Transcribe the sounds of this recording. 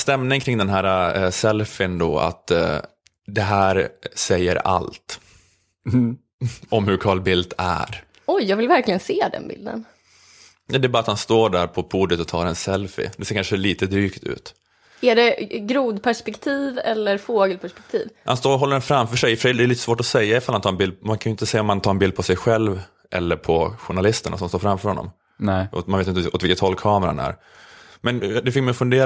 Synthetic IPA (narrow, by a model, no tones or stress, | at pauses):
st̪ɛmnɪŋkʰɾɪŋd̪ɛnɦæːɾasɛlfɪnd̪o̰ːa̰t̪ | d̪ɛɦæːɾsɛjːə̰ɾa̰lt̪ | ɔmhɵɾkʰɑːlbɪld̪æ̰ɾ | ɔjːɑːɡvɪlvæɾklɪɡənseːd̪ɛ̰nbɪ̰ld̪ə̰n | nɛd̪ɛːbɑːɾat̪hanst̪oːɖæɾpʰɔpʰuːd̪ət̪ɔt̪ʰɑːɾɛnsɛlfɪ̰d̪ɛseːɾkanʂəliːt̪əd̪ɾyːkt̪ʰʉ̰ːt̪ | æɖɛɡɾuːd̪pʰæʂpɛkt̪ʰiːvɛlːəɾfoːɡəlpʰæʂpɛk̚t̪ʰḭːvha̰nst̪oːɦɔlːəɾɛnfɾamfœʂɛjfœʂɛd̪ɛliːt̪ə̥svoːʈɔsɛjːaɪfalhant̪ʰɑːɾɛnbɪld̪maŋkʰanʏɪnt̪əsɛjːaɔmhant̪ɑːɾɛnbɪld̪̚pʰɔsɛjɧɛlv | ʔɛ̰lːəɾpʰɔɧʊɳalɪst̪əɳa̰sɔmst̪oːfɾamːfœɾhɔnːɔ̰m | ʔɔ̰manveːt̪ɪnt̪ɔt̪vɪlkət̪hɔlkʰɑːməɾahanæ̰ɾ | mɛnd̪ɛfɪkmajɔfɵnd̪eː